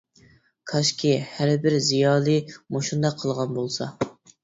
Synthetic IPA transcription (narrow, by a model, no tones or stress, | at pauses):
kʰɑʃkʲʰihæɾbɪɾzijɑːlˠɨmoʃund̪ɑqʰːəlˠʁɑnbolˠsɑ̰